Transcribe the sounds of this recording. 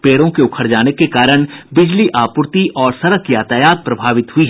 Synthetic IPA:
peːɽõkeʊkʰəɾd͡ʒaːnekekaːɾəɽ̃bɪd͡ʒliʔaːpʊɾt̪iʔɔːɾsɐɾəkjaːt̪aːjaːt̪̚pɾɐbʱaːʋɪt̪ɦʊiɦɛ

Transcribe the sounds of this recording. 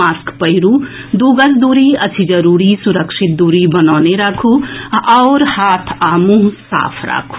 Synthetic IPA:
aːskpəɦiɾu | d̪uːɡəsd̪uːɾiət͡ʃʰid͡ʒəɾuːɾisuɾəkʃɪt̪̚d̪uːɾibənaːneɾakʰuɔːɾhaːt̪ʰaːmũsa̰ːpʰɾa̰ːkʰu̥

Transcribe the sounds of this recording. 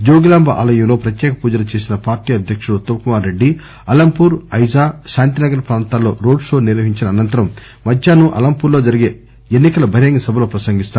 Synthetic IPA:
d͡ʒoːɡilaːmbɐʔa̰ːlɐjɐmlo̞ːpɾɐt̪jɛːkɐpuːd͡ʒɐlɐt͡ʃe̞ːsinɐpaːɾʈiːɐd̪ʱjɐkʂuɽut̪oːkumaːɾːe̞ɖːi | ɐlɐmpuːɾɐjzaːʃaːnt̪inɐɡɐɾɐpɾaːnt̪aːlːo̞̰ːɾo̞ːɖʂo̞ːniɾʋɐɦiɲt͡ʃinɐːnɐnt̪ɐɾɐm | mɐd̪ʱjaːnuʔɐ̰lɐmpuːɾloːd͡ʒɐɾiɡe̞ː | enːikɐlɐbʱɐɾjɐŋɡɐsɐbʱɐlo̞ːpɾɐsɐŋɡist̪aː

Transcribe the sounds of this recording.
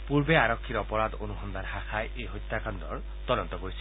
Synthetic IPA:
puɾbeaɾɔkʰːiɾɔpɔɾad̪onuɦɔnd̪aɾhaxʰajʔeɦojt̪ːakand̪ɔɾ | t̪ɔd̪ɔnt̪ɔkoɾisʰi̥

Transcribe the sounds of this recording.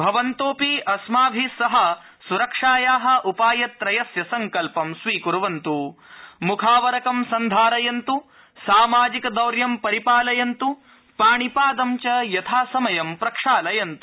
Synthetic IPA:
bʱɐʋɐnt̪oːpiʔɐsmaːbʱisɐɦɐ | suɾɐkʂaːjaːɦɐ̆ʔupaːjɐt̪ɾɐjɐsjɐsɐŋkɐlpɐmsʋiːkuɾɐʋɐnt̪umukʰaːʋɐɾɐkɐmsɐnd̪ʱaːɾɐjɐnt̪u | saːmaːd͡ʒikɐd̪ɐwɾjɐmpɐɾipaːlɐjɐnt̪u | paːɳipaːd̪ɐmt͡ʃɐjɐt̪ʰaːsɐmɐjɐmpɾɐkʂaːlɐjɐnt̪u̥

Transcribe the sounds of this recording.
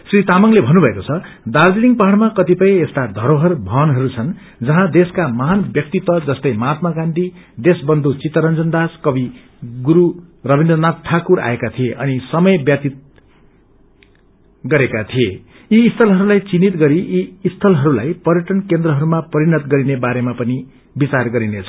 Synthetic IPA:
srit̪amʌŋlebʱʌnubʱʌekot͡sʰʌ | d̪ard͡ziniŋɡpaɦaɽmakʌt̪ipʌj̃est̪ad̪ʱʌɾoɦʌrbʱʌnɦʌɾut͡sʰʌn | d͡zʌɦãd̪eskamʌɦanbjʌk̚t̪it̪wʌd͡zʌst̪ʌjmaːt̪̚maɡanʈ̪id̪esbʌnd̪ʱut͡sit̪ːʌɾʌnd͡zʌnd̪askʌbi | ɡuɾurʌbʱind̪rʌnat̪tʈʰakuɾa̰ekat̪ʰieʔʌnisʌmʌjbjʌt̪it̪̚ | ɡʌɾekat̪ʰije | iːst̪ʰʌlɦʌɾulajt͡sinit̪ɡʌɾiʔiːst̪ʰʌlɦʌɾulajpʌɾjʌʈʌnkend̪rʌɦʌɾumapʌɾinʌt̪ɡʌɾinebaɾemapʌni | bit͡sarɡʌɾinet͡sʰʌ

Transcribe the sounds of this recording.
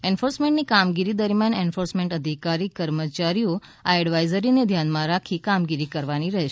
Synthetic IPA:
enfoɾsmẽɳʈnikamɡiɾid̪əɾmjanenfoɾsmẽɳʈəd̪ʱikaɾikəɾmət͡ʃaɾijo | aɛɽʋajzəɾined̪ʱjanmãɾakʰikamɡiɾikəɾʋaniɾəɦeʃ

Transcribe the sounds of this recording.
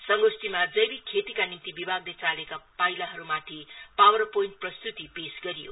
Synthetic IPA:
sʌŋɡosʈimad͡zʌjbikʰet̪ikanimt̪ibibʱaɡlet͡salekapajlaɦʌɾumat̪ʰipawʌrpojinʈ̚prʌst̪ut̪ipesɡʌɾijo̰

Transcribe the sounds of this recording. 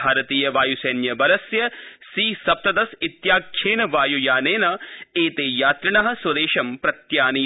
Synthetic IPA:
aːɾɐt̪iːjɐʋaːjuseːnjɐbɐɾɐsjɐsiːsɐp̚t̪ɐd̪ɐsɪt̪jaːkʰʃeːnɐʋaːjujaːneːnɐeːt̪eːjaːt̪ɾɐnɐɦɐ̆sɐd̪eːʃɐmpɾɐt̪jaːniː

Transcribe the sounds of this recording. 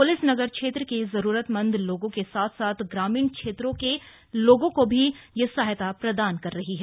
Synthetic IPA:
pʊlɪsnɐɡəɾkʃeːt̪ɾəkizɐɾuːɾət̪mɐ̃nd̪ʱloːɡõkesaːt̪ʰsaːt̪ʰɡɾaːmiːnkʃeːt̪ɾõke | loːɡõkobʱijesaːɦjt̪apɾɐd̪aːnkɐɾːɐɦiɦɛ

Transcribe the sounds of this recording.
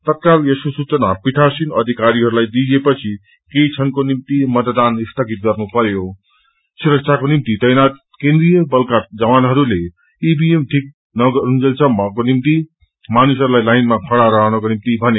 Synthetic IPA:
t̪ʌt̪̚kaljesusut͡sʌnapiʈ̪ʰasinʌd̪ʱikaɾiɦʌɾulajd̪id͡zepʌt͡sʰi | keit͡sʰʌnkonimt̪imʌt̪d̪anist̪ʰʌkit̪̚ɡʌrnupʌɾjo | suɾʌksʰakonimt̪itʌjnat̪ | kẽnd̪rijʌbʌlkatd͡zʌwanɦʌɾule | ibiemʈʰik̚ | nʌɡʌɾund͡zʌlt͡sʰʌmkonimt̪i | manusɦʌɾulajlajnmakʰʌɽaɾʌɦʌnʌkonimt̪ibʱʌne

